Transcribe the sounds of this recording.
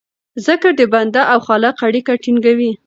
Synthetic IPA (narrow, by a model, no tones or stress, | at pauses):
zəkaɾd̪əband̪aʔawxɑlaqaɽikaʈiŋɡawi